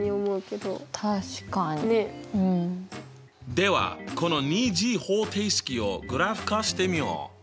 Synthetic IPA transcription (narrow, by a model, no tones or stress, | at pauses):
ɲiomo̞ɯ̟ke̞d̪o̰t̪ʰaɕi̥kaɲineɯ̟̃ɴ | d̪e̞βa̰kʰo̞no̞ɲʲiːd͡ʑiːhoːt̪ʰeisɨ̥kʲio̞ɡɯ̟ɾaɸɯ̥kaɕi̥t̪e̞mʲio̰